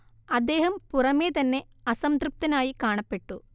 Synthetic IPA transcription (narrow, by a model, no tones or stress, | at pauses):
ɐd̪ːeːɦɐmpurɐmeːt̪ɐnːe | ɐsɐmt̪ɾup̚t̪ɐnaːjikaːɳɐpːeʈːu